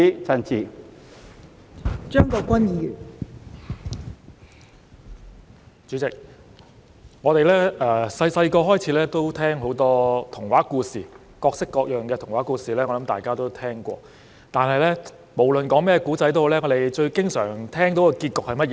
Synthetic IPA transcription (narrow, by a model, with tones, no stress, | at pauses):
t͡sɐ˧nt͡sʰiː˨˧ | t͡ʃœː˥ŋkɔː˧kʷɐ˥nji˨˧y˨˩n | t͡ʃy˨˥t͡sɪ˨k̚ | ŋɔː˨˧t̪e˨jlɛː˥ɛ˨˧sɐ˧jsɐ˧jkɔː˧ɦɔː˥jt͡sʰiː˨˥lɛː˥t̪o˥wt̪ʰɛː˥ŋɦo˨˥wt̪ɔː˥t̪ʰʊ˨˩ŋwaː˨˥kuː˧siː˨ | kɔː˧k̚sɪ˥kːɔː˧k̚jœː˨ŋkɛ˧t̪ʰʊ˨˩ŋwaː˨˥kuː˧siː˨lɛː˥ɔ˨˧lɐ˨˥mt̪aː˨˩jkaː˥t̪o˥wt̪ʰɛː˥ŋkʷɔ̰ː˧ | t̪aː˨nɦɐ˨jlɛː˥ | mo˨˩wlɵ˨nkɔː˨˥ŋmɛː˥kuː˨˥t͡sɐ˧˥jt̪o˥hlɛː˥ŋɔː˨˧t̪e˨jt͡ʃɵ˧ɥkɪ˥ŋsœː˨˩ŋt̪ʰɛː˥ŋt̪o˨˥wɔ˧kiː˧t̚kɔː˨k̚hɐ˨jmɐ˥t̚jɛː˨˧